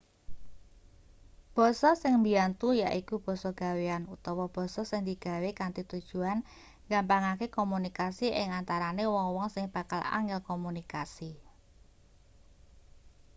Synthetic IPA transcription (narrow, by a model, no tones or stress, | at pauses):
b̥ɔ̤sɔsɪŋmbiant̪ujaʔikub̥ɔ̤sɔɡ̥a̤weanut̪ɔwɔb̥ɔ̤sɔsɪŋd̪iɡ̥a̤wekant̪it̪ud̥ʒ̥ṳan | ɡampaŋakekomunikasiʔɪ̰ŋant̪aɾanewɔŋwɔŋsɪŋb̥akala̰ŋɪlkomunikasi